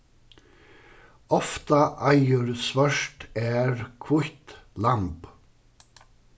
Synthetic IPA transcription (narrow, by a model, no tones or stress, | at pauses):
ɔft̪aʔajʏɾsvœʂt̪ɛɾkʰvʊht̪lamp